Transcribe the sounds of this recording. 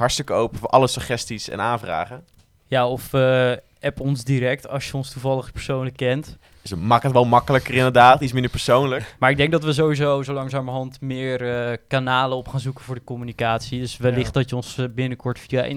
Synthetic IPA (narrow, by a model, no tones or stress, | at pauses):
ɦɑɹtstɪkəowpəvʔɑləsəχɛstisɛ̰naːnvra̰ːχə | jaːɔfə | ɛpɔnzdiɾɛk̚tɑ̰sjəɔnstuvɑləχpəɹsownləkːɛnt | səmaːkətʋɛlˠmɑkələkərɪndədaːtitsmɪndəɹpəɹsownləkmaːɹɪɡ̚dɛŋɡ̚dɑtʋəzowʋizowzowlɑŋsaːməɹɦɑntmɪːrkanaːləɔpχaːnzukəvʊːɹdəkɔmynikaːtsidɵsʋɛlːɪχt̚dɑtjəɔnsbɪnəkɔɹtfia